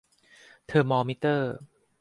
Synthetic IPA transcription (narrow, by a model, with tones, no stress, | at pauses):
t̪ʰɤː˧mɔː˧mi˦˥t̪ɤː˥˩